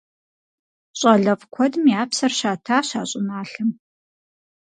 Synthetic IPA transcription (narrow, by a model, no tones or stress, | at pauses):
ɕʼɐɮɐvkʷʰɔdmiaːpsɐrɕaːtʰaːɕaːɕʼɪnaːɬɨm